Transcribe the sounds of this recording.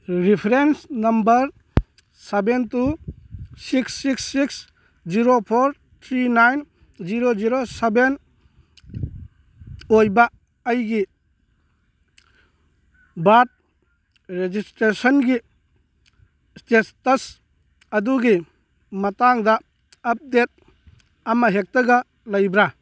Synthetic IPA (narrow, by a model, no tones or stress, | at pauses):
ɾipʰɾensnɐmbɐɾ | sebentu | siksːiksːiks | d͡ʒiɾopʰoɾ | t̪ʰɾinajn | ziɾoziɾoseben | ojba | ɐjɡi | bat̚ | ɾed͡ʒistɾesɔnɡi | stestɐs | ɐduɡi | mɐtaŋdɐ | ɐp̚det̚ | ɐmɐɦek̚tɐɡɐ | lɐjbɾa